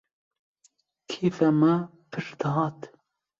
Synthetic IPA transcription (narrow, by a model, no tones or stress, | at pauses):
kʰiːfɛmɐ | pʰɨɾd̪ɑːt̪